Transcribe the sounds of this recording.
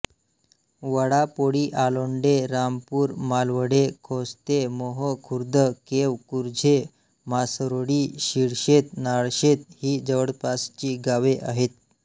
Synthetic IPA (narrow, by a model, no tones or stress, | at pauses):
ʋəɽapoɽiːʔaloɳɖeɾampuːɾmalʋəɽekʰost̪emoɦəkʰuɾd̪ʱəkeʋkuɾd͡ʑʱe | masɾoɽiːɕiɽɕet̪naɭɕet̪hiːd͡zəʋəɽpast͡ɕiːɡaʋeʔa̰ɦet̪̚